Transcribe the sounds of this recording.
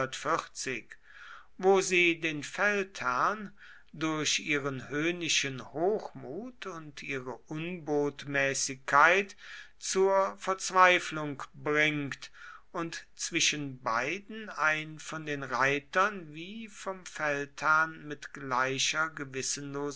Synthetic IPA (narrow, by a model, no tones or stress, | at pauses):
ɐtfɪt͡sɪk | voːziːdeːnfɛlthæɐn | dʊɐɕʔiːʁənhøːnɪʃənhoːxmuːtʰʊntʔiːʁəʔʊnboːtmɛːsɪkʰːaɪt | t͡suːɐfɛɐt͡sv̥aɪflʊŋkbʁɪŋktʔʊntt͡sv̥ɪʃənbaɪdn̩aɪnfɔndeːnʁaɪtɐnviːfɔmfɛlthæɐnmɪtɡ̥laɪʃɐɡəvɪsən̩loːz